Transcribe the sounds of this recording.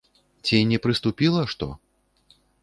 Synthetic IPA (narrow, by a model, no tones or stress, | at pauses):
t͡sʲinʲɛpɾɨst̪upʲilˠɐʂt̪ɔ̰